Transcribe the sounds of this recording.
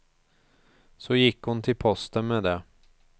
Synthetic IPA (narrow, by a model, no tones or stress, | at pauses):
sɔjɪkːhʊnt̪ʰɪlpʰɔst̪ənmeːd̪ɛ